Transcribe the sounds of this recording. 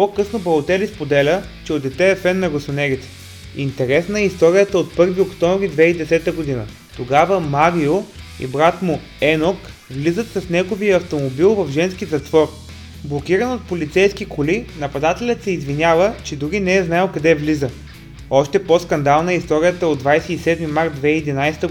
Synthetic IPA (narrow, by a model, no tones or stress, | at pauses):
pɔkɤsnobɐlˠot̪ɛlispod̪ɛlʲə | t͡ʃɛod̪ɛt̪ɛɛfɛnːɐɡosonɛɡit̪ɛ̥ | int̪ɛɾɛsnəɛist̪ɔɾʲijət̪əot̪̚pɤɾviokt̪ɔmvɾid̪vɛid̪ɛsɛt̪əɡod̪inə | t̪oɡavəmaɾioḭbɾat̪mʊ | ɛnok | vlizət̪sɐsnɛɡoviəɐft̪omobilˠvɐvʒɛnsk̟ʲizɐt̪v̥ɔɾ | blˠok̟iɾənot̪̚polʲit̪sɛjsk̟ikolinɐpɐd̪at̪ɛlʲət̪sɛizvinʲavət͡ʃɛd̪uɾinɛɛznaɛlˠkɐd̪ɛvlizə | ɔʃt̪ɛposkɐnd̪alˠnəɛist̪ɔɾʲijət̪əod̪vajsɛisɛd̪mimaɾt̪̚d̪vɛiid̪inajst̪ə